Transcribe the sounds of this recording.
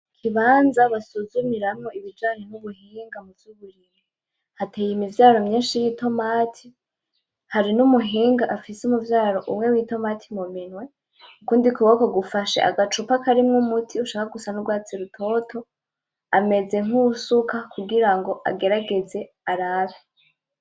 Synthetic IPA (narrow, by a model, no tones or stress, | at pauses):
kʰiβaːnzaβasuzumiɾamŋo̞iβid͡ʒaːnen̥uβuɦiːŋɡamuvuːβuɾime | hate̞ːjimivjaːɾo̞mɲeːʃijito̞maːtʰi | haɾinumuɦiːŋɡaʔafisumuvjaːɾo̞ʔumŋe̞wiːto̞maːtʰimuminwe̞ | ukuːndikuwokoɡufaʃḛʔa̰ɡat͡ʃupakaɾimŋumutʰiuʃaːkaɡusanuɡwaːt͡siɾutʰo̞tʰo̞ | ame̞ze̞ŋ̥usukʰakuɡiɾaŋɡo̞ʔa̰ɡe̞ɾaɡe̞ze̞ | aɾaβe